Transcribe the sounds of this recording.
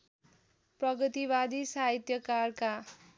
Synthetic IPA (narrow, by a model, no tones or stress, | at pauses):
prʌɡʌt̪iβad̪isaɦit̪jʌkarka